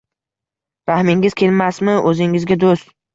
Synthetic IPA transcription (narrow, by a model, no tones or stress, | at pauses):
ɾahmɪŋɪz̥kʲʰe̞lmasmɪʔɵzɪŋɪzɡʲad̪ost̪